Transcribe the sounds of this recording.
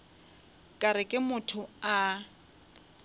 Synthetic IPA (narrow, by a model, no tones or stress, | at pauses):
kʼaɾɪkʼɪmʊtʰʊa